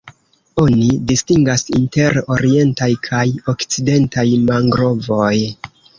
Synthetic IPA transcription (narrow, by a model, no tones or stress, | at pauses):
o̞nidistiŋɡasinte̞ɾo̞ɾie̞ntajkʰajo̞kt͡side̞ntajmaŋɡɾo̞vo̞j